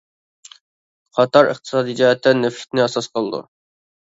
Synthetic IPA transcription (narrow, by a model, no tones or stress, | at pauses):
qʰɑt̪ʰɑɾə̰χt̪ʰɨ̥sɑːd̪id͡ʒɑɛt̪ʰːɛnøfʰʲɪ̥t̪nɪɑsɑsqʰəlˠɨd̪ṵ